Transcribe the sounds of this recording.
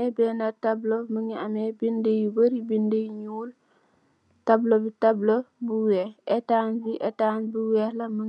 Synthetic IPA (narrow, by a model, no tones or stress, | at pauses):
ɛbɛːnatabloməŋiamebindejubəɾibindejiɲuːl | tɐblobitablobuwɛetaːnbiʔɛtaːnbuwɛːlɐmə